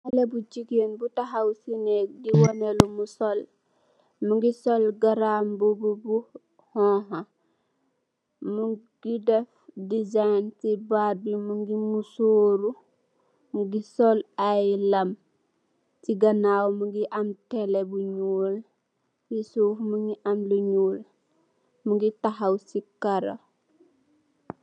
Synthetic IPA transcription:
alebud͡ʒiɡenbutaɦawsinek̚diwonelumusol | muŋɡisolɡaɾambububu | hɔ̃ɦa | muɡ̥idefdizajntibadimuŋɡimusoːɾu | muɡisolajlɐm | tiɡanaːwmuɡiʔamtelebuɲuːl | wisuːfmuŋɡiʔamluɲuːl | muɡitaɦawsikaɾa̰

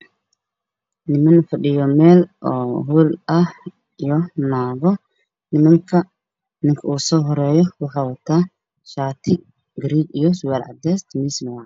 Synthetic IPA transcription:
nɪmɐnfɐɗɪjɔmɛːlʔɔːɦuːlʔɐh | ijɔnaːɣɔ | nɪmɐŋkʰɐ | nɪŋkʰɐuːsɔːɦɔɾɛːjɔwɑħɑːwɐt̪ʰaː | ʃaːt̪ʰɪ | ɡɾiːɡijɔsʊwaːlʕɑ̰d̪ɛst̪ʰmismɐwa

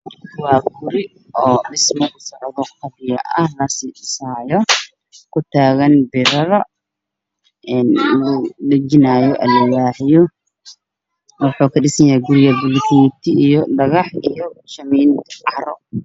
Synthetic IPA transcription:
kʰʊwaːɡʊɾɪ | ɔːɗɪsmɐʔʊsɔʕðɔqɑβɪjɐ̰ʔɐhlɐsiːɪsaːjɔ | kʰʊt̪ʰaːɣɐnbɪɾɐðɐ | ɛnlʊɖɐt͡ʃɪnaːjɔʔɐlɐwaːħɪjɔ | wɑħuːkʰɐɖɪsɐjɐhɛɡʊɾɪjɐbʊlt̪ʰiːt̪ʰɪijɔɖɐɣɑħijɔʃɐmiːnʰʕɑɾɔ̰

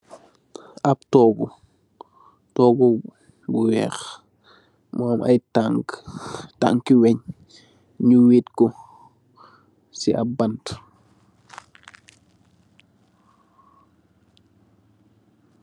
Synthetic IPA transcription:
aptɔːɡu | tɔːɡu | buwɛ̰ːx | moːmʔa̰jtaŋɡta̰ŋkiwɛɲ | ɲuwiːtkɔ | siʔa̰bant

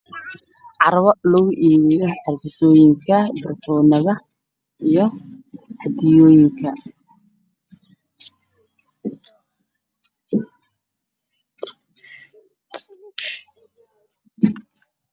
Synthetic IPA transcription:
ʕɑɾɐβɔlɔɣʊʔiːɣɛjɔħɪrfɪsɔːjɪŋkʰɐbɪrfɔːnɐðɐ | ijɔħɑd̪ɪjɔːjɪŋkʰɐ

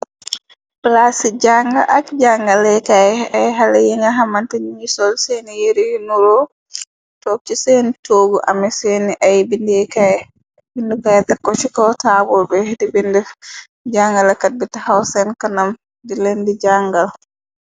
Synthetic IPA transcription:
plasid͡ʒaŋɡaʔakd͡ʒaŋɡalɛkajajɦalɛjiŋaɦamantɛɲiɲisɔlsɛnijeɾijinuɾɔ | tɔk̚t͡ʃisentʰoːɡuʔa̰mɛsɛniʔajbindɛkaj | bindukajɛtakːɔt͡ʃikɔtaːbɔlbɛdibindɛ | d͡ʒaŋɡalakat̚bitahawsɛnkɐnam | dilendid͡ʒaŋɡal

